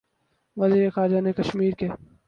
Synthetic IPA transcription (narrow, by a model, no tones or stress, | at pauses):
ʋɐziːɾexaːɾd͡ʒanekɐʃmiːɾke